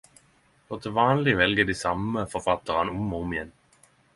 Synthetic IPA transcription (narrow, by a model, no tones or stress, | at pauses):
kɔt̪ʰəʋɑːnlɪʋɛlɡəd̪isɑməfɔʁfɑt̪əʁənʊmʊmjɛn